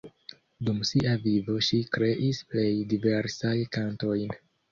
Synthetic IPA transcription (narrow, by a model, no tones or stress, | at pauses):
dumsiʔavivo̞ʃikɾe̞ʔisple̞jdive̞ɾsajkanto̞jn